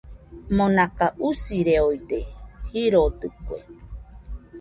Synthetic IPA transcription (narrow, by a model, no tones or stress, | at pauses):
mõnakaʔusiɾeoid̪ehiɾot̪ɨkuḛ